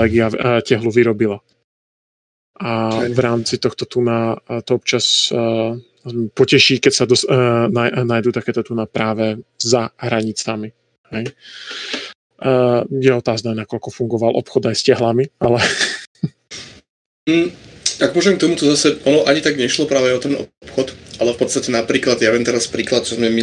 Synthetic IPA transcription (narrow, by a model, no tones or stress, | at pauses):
ɛːɡiacɛɦluʋiɾɔbila | ʔavɾaːmt͡sit̪ɔxt̪ɔt̪unat̪ɔɔp̚t͡ʃas | pɔcɛʃiːkɛcsad̪ɔsnajnaːjd̪ut̪akɛːt̪ɔt̪unapɾaːʋɛzaɦɾaɲit͡sami | hɛj | jɛɔt̪aːznanakɔʎkɔfuŋɡɔʋalʔɔ̰pxɔd̪ajscaɦlamialɛ | aɡmɔʒɛmkt̪ɔmut̪ɔzasɛɔnɔʔaɲit̪aɡɲɛʃlɔpɾaːʋɛɔt̪ɛnɔ̰pxɔt̪ʔalɛfpɔt̪st̪acɛnapɾiːklad̪jaʋɛnt̪ɛɾaspɾiːklat̪̚t͡ʃɔzmɛmi